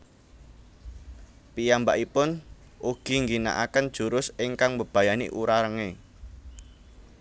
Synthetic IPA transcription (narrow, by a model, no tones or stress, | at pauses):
pijambaʔipʊn | ʔuɡ̥i̤ŋɡina̰ʔakənd̥ʒ̥ṳɾʊsɪŋkaŋbəb̥a̤janḭʔuɾaɾəŋe